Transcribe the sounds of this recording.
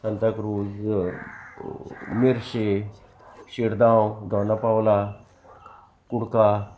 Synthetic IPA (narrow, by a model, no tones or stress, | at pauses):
sɐnt̪ɐkɾuːz | miɾʃe | ʃiɽd̪aːwd̪ʱɔːnapawla | kuɽka